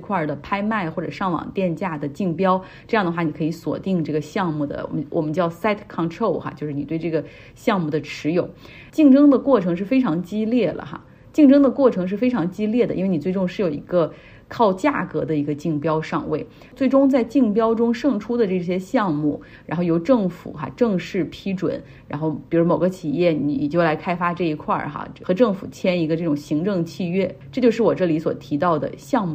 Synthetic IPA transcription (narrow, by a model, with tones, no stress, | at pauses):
kʰwa˥˩d̪ə˩pʰa˥ɪma˥˧ɪxwɔ˥˩ʈ͡ʂɤ̰˨˩ʂɑ˥˩ŋwɑ̰˨˩ŋt̪jɛ˥˧nt͡ɕja˥˩d̪ə˩t͡ɕi˥˩ŋpjɑ˥ʊ | ʈ͡ʂɤ˥˧jɑ˥˩ŋd̪ə˩xwa˥˩ni˨˩kʰɤ˧˥i˧˥swɔ̰˨˩t̪i˥˧ŋʈ͡ʂɤ˥˩ɡə˩ɕjɑ˥˧ŋmu˥˩d̪ə̰˩wwʔɔ̰˨˩mə˦nt͡ɕjɑ˥˩ʊsa˥ɪt̪ʰkʰɑ˥˧nʈ͡ʂʰo˥˩ʊxa̰˩t͡ɕo˥˧ʂɻ̩˥˩i˨˩we˥˧ɪʈ͡ʂɤ˥˩ɡə˩ | ɕjɑ˥˧ŋmu˥˩d̪ə˩ʈ͡ʂʰɻ̩˧˥jo˨˩˦ʊ | t͡ɕi˥˩˧ŋʈ͡ʂɤ˥ŋd̪ə˨kwɔ˥˩ʈ͡ʂʰɤ˧˥ŋʂ̬ɻ̩˥˩fe˥ɪʈ͡ʂʰɑ˧˥ŋt͡ɕi˥ljɛ˥˩lə̰˩xa̰˩ | t͡ɕi˥˩˧ŋʈ͡ʂɤ˥ŋd̪ə˨kwɔ˥˩ʈ͡ʂʰɤ˧˥ŋʂɻ̩˥˩fe˥ɪʈ͡ʂʰɑ˧˥ŋt͡ɕi˥ljɛ˥˩d̪ə˩i˥nwe˥˩ni˨˩t͡se˥˧ɪʈ͡ʂʊ˥˧ŋʂɻ̩˥˩jo˨˩ḭ˧˥ɡə˧ | kʰɑ˥˧ʊt͡ɕja̰˥˩kɤ˧˥d̪ə˧i˧˥ɡə˧t͡ɕi˥˩ŋpjɑ˥ʊʂɑ̰˥˧ŋwe˥˩ɪ | t͡swe˥˩ɪʈ͡ʂʊ˥ŋt͡sa˥˧ɪt͡ɕi˥˩ŋpjɑ˥ʊʈ͡ʂʊ˥ŋʂɤ˥˧˩ŋʈ͡ʂʰu˥d̪ə˨ʈ͡ʂɤ˥˩ɕ̬jɛ˥ɕjɑ˥˧ŋmu˥˩ | ɻa˧˥nxo˥˩ʊjo˧˥ʊʈ͡ʂɤ˥˩ŋfṵ˨˩xa̰˥ʈ͡ʂɤ˥˧ŋʂɻ̩˥˩pʰi˥ʈ͡ʂwə̰˨˩˦n | ɻa˧˥nxo˥˩ʊpi˨˩ɻu˧˥mo˨˩ʊɡə˧˦t͡ɕʰi˨˩jɛ˥˩ni˧˥njɛ˨˩t͡ɕjo˥˩ʊla˧˥ɪkʰa˥ɪfa˥ʈ͡ʂɤ˥˩i˧˥kʰwa̰˥˩xa̰˧˩xɤ˧˥ʈ͡ʂɤ˥˩ŋfṵ˨˩t͡ɕʰjɛ˥ni˧˥ɡə˧ʈ͡ʂɤ˥˩ʈ͡ʂʊ˨˩ŋɕi˧˥ŋʈ͡ʂɤ˥˧ŋt͡ɕʰi˥˧ɥɛ˥˩ʈ͡ʂɤ˥˧t͡ɕjʊʂɻ̩˥˩wɔ˨˩ʈ͡ʂɤ˥˩li˧˥swɔ̰˨˩t̪ʰi˧˥t̪ɑ˥˩ʊd̪ə̰˩ɕjɑ˥˧ŋmu˥˩